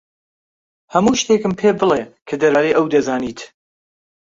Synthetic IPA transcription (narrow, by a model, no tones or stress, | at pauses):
hɐmuːʃt̪ekɨmpʰebɨlekʰɐd̪ɐɾaːɾejʔɐwd̪ɐzaːniːt̪